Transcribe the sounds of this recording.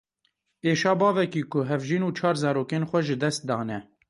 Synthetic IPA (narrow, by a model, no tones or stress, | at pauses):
eːʃɑːbɑːvɛkiːkʊɦɛvʒiːnuːt͡ʃʰɑːɾzɑːɾoːkeːnxʷɛʒɨd̪ɛst̪̚d̪ɑːnɛ